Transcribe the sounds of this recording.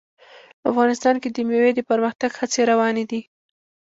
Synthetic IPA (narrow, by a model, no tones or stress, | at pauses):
pəafɣɑnɪst̪ɑnked̪əmjawed̪əpəɾməxt̪aɡhat͡seɾawɑned̪i